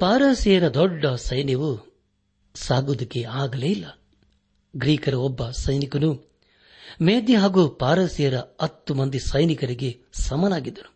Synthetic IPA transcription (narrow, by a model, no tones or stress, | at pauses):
paːɾɐːsijɐɾɐd̪ɔɖːɐsɐjnjɐʋu | saːɡud̪ɐkːeaːɡɐleːilːɐ | ɡɾiːkɐɾɐɔbːɐsɐjnikɐnu | meːd̪jɐɦaːɡupaːɾɐsijɐɾɐɐt̪ːumɐnd̪isɐjnikɐɾiɡe̞ | sɐmɐnaːɡid̪ːɐɾu̥